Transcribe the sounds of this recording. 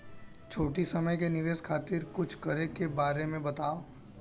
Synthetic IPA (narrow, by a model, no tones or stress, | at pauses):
t͡ʃʰoːʈisɐməjkenɪʋeːskʰaːt̪ɪɾkʊt͡ʃʰkɐɾekebaːɾemẽbɐt̪aːo